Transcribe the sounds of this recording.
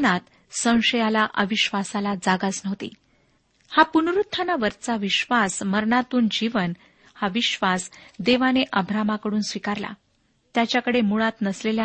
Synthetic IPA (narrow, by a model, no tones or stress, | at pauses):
nat̪ | sə̃w̃ʂəjalaʔəʋiɕʋasalad͡zaɡat͡snəʋt̪ḭː | hapunɾut̪ʰːanaʋəɾt͡saʋiɕʋasməɾɳat̪uːnd͡ʑiʋən | haʋiɕʋasd̪eʋaneʔəbʱɾamakəɽuːnsʋikaɾla̰ | t̪jat͡ɕjakəɽemuɭat̪nəslelja